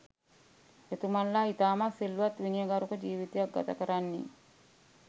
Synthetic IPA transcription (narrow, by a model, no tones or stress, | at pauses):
et̪umalːait̪aːmasilːuat̪ːwiniəɡaɾukəd͡ʒiːwit̪iak̚ɡa̰t̪akəɾanːḭ